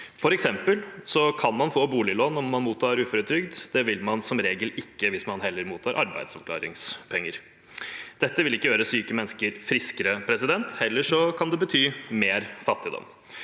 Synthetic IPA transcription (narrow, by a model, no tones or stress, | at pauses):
fɔɾɛksɛmpəlsɔkʰɑnmɑnfoːbuːlɪlɔnːɔmːɑnmuːt̪ʰːɑːɾʉːfɔɾət̪ʰɾʏɡd̪d̪̥ɛʋɪlmɑnsɔmɾeːɡəlɪkːəʋɪsmɑnɦɛlːəɾmuːt̪ʰɑːɾʔɑɾbæ̰ɪd̪sɔʋkʰlɑ̰ːɾɪ̰ŋspʰɛŋːəɾ | d̪̥ɛt̪ːəʋɪlɪkːəjøːɾəsyːkəmɛnskəɾfɾɪskəɾəpʰɾɛsɪd̪ɛnt̪hɛlːəʂɔkʰɑnd̪ɛbət̪ʰyːmeːɾfɑt̪ːɪd̪ɔ̰m